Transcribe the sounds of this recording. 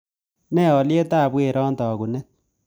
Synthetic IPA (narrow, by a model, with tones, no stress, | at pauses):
nɛ˦˨ɔ˨lje˦ta˦˨bwe˨ɾʔɔ˦ntɔ˨ku˨nɛ˦t̚